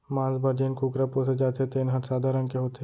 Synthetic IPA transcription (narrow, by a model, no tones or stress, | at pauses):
mãːzbɐɾd͡ʒənkuːkɾɐpoːsed͡ʒaːt̪et̪eːnɦɐɾsaːd̪ʱaɾɐ̃ŋɡkeɦoːt̪e